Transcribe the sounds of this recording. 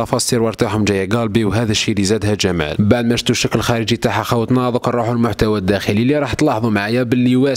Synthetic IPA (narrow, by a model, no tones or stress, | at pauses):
ɑfɑsiɾwɑɾˤt̪aħʊmʒæjːæɡɑlbiwɦæd̪æʃːilizæd̪hæʒæmæ̰lbaʕd̪mæʃt̪uʃəkːləlxæɾəd͡ʒit̪aħaxawt̪nɑd̪ˤəqrˤːuħʊlmʊħt̪æwæd̪ːæxəliliɾˤɑħt̪lɑħðˤumaʕajæbəlːiwæs